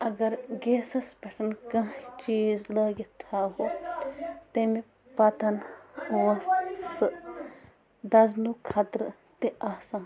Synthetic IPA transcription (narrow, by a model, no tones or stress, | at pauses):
ɐɡɐɾɡeːsɐspɐʈʰɐnkɐ̃ɦt͡ʃiːzlɐːɡet̪ʰaːɦo | t̪emi | pɐt̪ɐnuɐssɨ | d̪ɐznukʰɐt̪ɾ | t̪eaːsaːn